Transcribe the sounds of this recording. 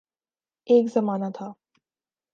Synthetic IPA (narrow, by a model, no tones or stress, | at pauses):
eːkzəmaːnat̪ʰa